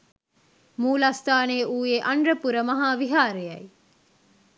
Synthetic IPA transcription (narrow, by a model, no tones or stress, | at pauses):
muːlast̪aːneuːjeʔɐɳɖrəpuɾəmɐɦaːʋiɦaːɾejɐ̰j